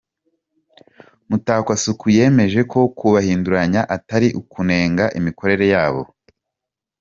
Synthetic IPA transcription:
mutaːkwasukʰuje̞ːme̞ʒe̞kʰo̞kuβahiːnduɾaɲaʔataɾiʔukune̞ːŋɡaʔimiko̞ɾe̞ɾe̞jaːβo̞̰

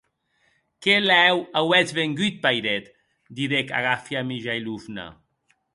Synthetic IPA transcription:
kelɛwawɛt͡sβeŋɡit̪̚pajɾet̪ | d̪iðeka̰ɣafjamiʒajluvna̰

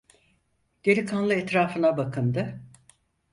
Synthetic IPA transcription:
ɟ̪̥eɾikʰanlˠɯɛt̪ɾaːfɯnabakʰɯnd̪ɯ

